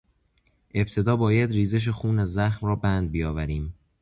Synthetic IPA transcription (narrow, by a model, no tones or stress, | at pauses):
ʔe̞bt̪ʰe̞d̪ɒːbɒːjæd̪riːzeʃ̬exuːnæzːæxmrɒːbænd̪̚bijɒːvæɾiːm